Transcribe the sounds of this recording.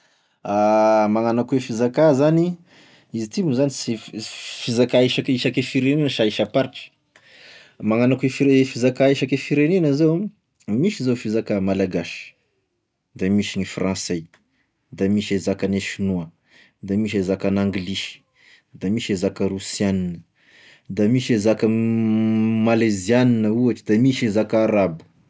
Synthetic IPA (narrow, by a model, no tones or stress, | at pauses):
amaŋanakuefizakazani | izit̪imuzanisifizakaiʃakiʃakefiɾeninəʃaiʃapaɾʈ͡ʂə̥ | maŋanakefiɾefizakaeʃakefiɾenenəzew | miʃizewfizakamalaɡaʃə̥ | d̪amiʃiɲifrɑ̃se | d̪amiʃezakaneʃinuə | d̪amiʃ̬ezakanaŋɡliʃi̥ | d̪amiʃezakərusianinə | d̪amiʃezakə | malezianinəuaʈ͡ʂid̪amiʃezakaɾabu̥